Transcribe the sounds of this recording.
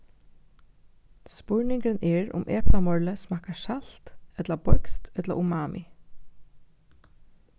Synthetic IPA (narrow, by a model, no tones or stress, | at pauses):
spɔɹnɪŋkənʔɛɹʊ̰mʔɛ̰ːpnamɔɹləsmɑːkaʃalt̪ɛt̪labɔɹkst̪ɛt̪la̰ʔumaːmɪ̰